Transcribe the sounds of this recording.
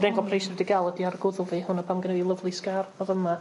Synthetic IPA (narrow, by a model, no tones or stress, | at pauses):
dɛŋɡɔlˠpʰrijsɛdiɡalˠədiarɡʊðʊlˠvihʊnapʰamɡənɛwilˠəvlˠiskarɔðəma